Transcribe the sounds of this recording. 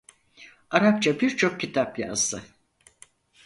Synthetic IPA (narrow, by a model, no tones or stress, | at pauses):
aɾap̚t͡ʃʰabiɾt͡ʃʰo̞k̚cit̪ʰapja̰zd̪ɯ